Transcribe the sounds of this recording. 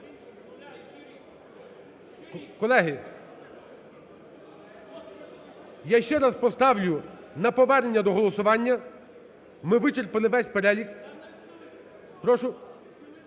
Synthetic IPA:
kɔlˠɛɦɪ | jaʃt͡ʃɛɾɑspɔst̪ɑwlʲʊ | nɐpɔʋɛrnenʲːɐd̪ɔɦɔlˠɔsʊʋɑnʲːɐ | mɪʋɪt͡ʃerpɐlˠɪʋɛsʲpeɾɛlʲik | pɾɔʃʊ

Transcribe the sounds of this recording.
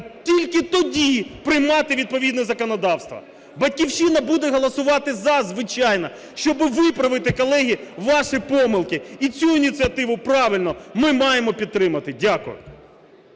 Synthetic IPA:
tʲilʲkɪt̪ɔdʲipɾɪjmɑt̪ɪʋʲid̪̚pɔʋʲid̪nɛzɐkɔnɔd̪ɑwst̪ʋɐ̰ | bɐt̚ʲkʲiwʃinɐbud̪ɛɦɔlˠɐsʊʋɑt̪ɪzɐzʋɪt͡ʃɑjnɐ | ʃt͡ʃɔbɪʋɪpɾɐʋɪt̪ɪkɔlˠɛɦʲiʋɑʃipɔmɪlˠkɪit͡sʲuinʲit̪sʲɨɐt̪ɪʋʊpɾɑʋɪlʲnɔmɪmɑjemɔpʲid̪̚t̪ːɾɪmɐt̪ɪdʲakʊ̰jʊ̰

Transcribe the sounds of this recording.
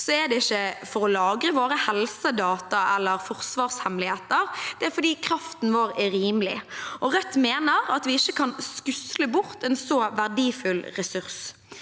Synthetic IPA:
sɔɛd̪ɛɪçːəfɔɾɔlɑːɡɾəʋoːɾəhɛlsəd̪ɑːt̪ɑɛlːəɾfɔʁsʋɑːʁshɛmlɪheːt̪əɾd̪̥ɛæfɔd̪iːkʰɾɑft̪n̩ʋoːɾɛɾiːmlɪ̰ʔɔʁœt̪ːmeːnəɾɑt̪ʋɪɪçːəkʰɑnskʉsləbʊɾt̪ɛnsɔʋæʁd̪iːfʉlɾɛsʉɾs

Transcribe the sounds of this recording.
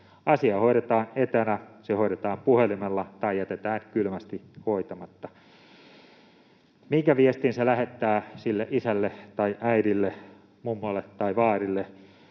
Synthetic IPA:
ʔɑsiɑhoiɾet̪ɑːnet̪ænæsehoiɾet̪ɑːmpuhelimelːɑt̪ɑijæt̪et̪æːnkylmæst̪ihoit̪ɑmɑt̪ːɑ | miŋkæʋiest̪inselæhet̪ːæːsilːeʔisælːet̪ɑiʔæiɾilːe | mumːɑlːet̪ːɑiʋɑːrilːe

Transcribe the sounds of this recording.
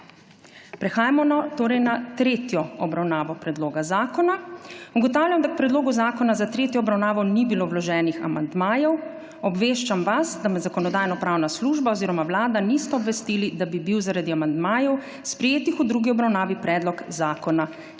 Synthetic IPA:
pɾɛxaːjamɔnat̪oːɾɛjnat̪ɾeːt̪jɔɔbɾawnaːʋɔpɾɛd̪loːɡazaːkɔnauɡɔt̪aːwljamd̪ak̚pɾɛd̪loːɡuzaːkɔnazat̪ɾeːt̪jɔɔbɾawnaːʋɔnibiloːwlɔʒɛːnixa̰ma̰nd̪maːjɛw | ɔbʋeːʃt͡ʃamʋasd̪amɛzakɔnɔd̪aːjnɔpɾaːwnasluʒbaɔziːɾɔmaʋlaːd̪anist̪ɛɔbʋɛst̪iːlid̪abibiwzaɾad̪iamand̪maːjɔw | spɾɛjeːt̪ixud̪ɾuɡiɔbɾawnaːʋipɾɛd̪lɔkzaːkɔna

